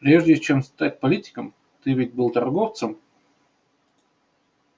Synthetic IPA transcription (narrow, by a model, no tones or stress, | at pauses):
pɾʲeʐdʲɪt͡ɕemst̪at̪ʲpɐlʲitʲɪ̥kəm | t̪ɨvʲɪtʲbɨlˠt̪ɐrɡoft̪səm